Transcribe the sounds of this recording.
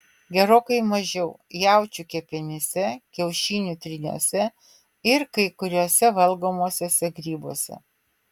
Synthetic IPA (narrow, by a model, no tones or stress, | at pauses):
ɡʲɛɾoːkɐɪmɐʒʲɛʊ | jæˑʊt͡ʃʲuːkʲɛpʲɛnʲɛsʲɛkʲɛʊʃʲiːnʲʊt̪ʲɾʲɪnʲṵːsʲɛ | ɪɾkɐɪkʊɾʲoːsʲɛʋɐlˠɡoːmoːsʲoːsʲɛɡɾʲiːboːsʲɛ̰